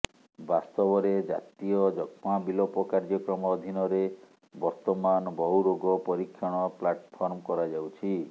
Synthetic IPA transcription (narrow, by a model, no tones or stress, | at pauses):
bast̪ɔbɔɾed͡ʒa̰t̪ijɔd͡ʒɔkʰmabilɔpɔkaɾd͡ʒɔkɾɔmɔːd̪ʱinɔɾe | bɔɾt̪ɔmanɔbɔɦuɾoɡɔpɔɾikʰːjɔɽ̃ɔplaʈpʰɔɾmkɔɾad͡ʒawt͡ʃʰi